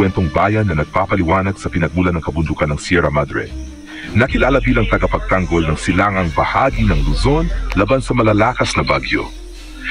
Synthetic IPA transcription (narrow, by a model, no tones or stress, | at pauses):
wɛnt̪oŋbaːjɐnːɐnɐɡ̚papɐlɪwaːnɐɡ̥̚sɐpɪnɐɡ̚mulɐnːɐŋkɐbʊnd̪ukɐnːɐŋsjɛɾɐmad̪ɾɛ̰ | nɐkɪlaːlɐbiːlɐŋt̪ɐɡɐpɐɡ̚t̪aŋɡo̞lnɐŋsɪlaŋɐŋbɐhaːɡinɐŋluzo̞nlaːbansɐmɐlalaːkɐsnɐbaɡjo̰